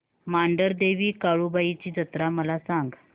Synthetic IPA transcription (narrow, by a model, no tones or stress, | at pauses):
maɳɖəɾd̪eʋiːkaɭuːbait͡ɕiːd͡zət̪ɾaməlasaŋɡ